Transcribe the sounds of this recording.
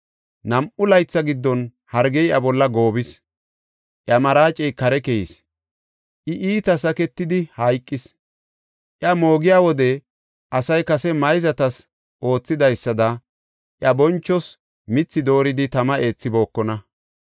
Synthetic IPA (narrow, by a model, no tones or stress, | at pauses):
nɐmʔʊlɐjt͡sːɐɡɪd̪ːɔn | hɐɾɡɛjʔɐbɔlːɐɡo̞ːbɪs | ʔjɐmɐɾaːt͡ʃʼɛjkɐɾɛkɛjis | ʔɪʔiːt̪ɐsɐkɛt̪ːɪd̪ɪhɐjkʼːɪs | ʔjɐmo̞ːɡɪjaːwɔd̪ɛ | ʔɐsɐjkɐsɛmɐjzɐt̪ɐs | ʔo̞ːt͡sːɪd̪ɐjsːɐd̪ɐ | ʔjɐbɔnt͡ʃːɔs | mɪt͡sːɪd̪o̞ːɾɪd̪ɪt̪ɐmɐʔe̞ːt͡sːɪbo̞ːkːɔnɐ